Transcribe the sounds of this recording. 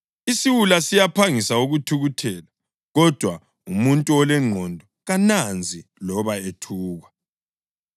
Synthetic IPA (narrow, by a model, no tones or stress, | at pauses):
isiwulasijapʰaŋisauɣutʰuɣutʰɛːla | ɣɔd̥ʱwa | umuntʼuɔlɛŋ͡ǃʱɔndʱɔɣanand͡zʱilɔβaetʰuːɣwa